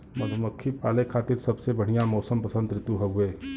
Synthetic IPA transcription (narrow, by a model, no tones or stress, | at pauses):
mɐd̪ʱmɐkʰːipaːlekʰaːt̪ɪɾsɐbsebɐɽ̤ijãmɔːsəmpɐsə̃nd̪̚ɾɪt̪uɦɛɦʊeː